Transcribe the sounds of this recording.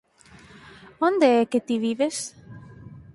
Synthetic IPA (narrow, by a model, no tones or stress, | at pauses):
ond̪eɛket̪iβiβes